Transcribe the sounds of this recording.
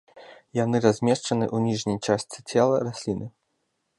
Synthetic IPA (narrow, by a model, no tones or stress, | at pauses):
janɨɾazʲmʲɛʂt͡ʂɐnɨʔunʲiʐnʲɐjt͡ʂasʲt͡sʲit͡sʲɛlˠɐrasʲlʲinɨ